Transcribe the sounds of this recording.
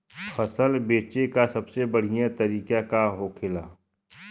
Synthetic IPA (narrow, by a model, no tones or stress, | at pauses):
fʰɐsəlbeːt͡ʃekasɐbsebɐɽ̤ijãt̪ɐɾiːkakaɦoːkʰɪlaː